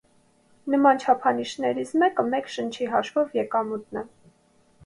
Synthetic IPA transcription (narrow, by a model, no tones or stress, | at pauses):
nəmɑnt͡ʃʰɑpʰɑniʃnɛɾit͡sʰmɛkəmɛkʃənt͡ʃʰiɦɑʃvɔvjɛkɑmut̪nɛ